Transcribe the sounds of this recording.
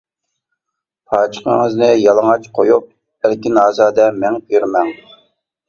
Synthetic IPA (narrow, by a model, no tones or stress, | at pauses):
pʰɑːt͡ʃʰə̥qə̰ŋəznɪjɑlˠəŋɑt͡ʃqʰojup̚ | æɾkʲinɑːzɑːd̪ɛmɛŋpyɾmɛŋ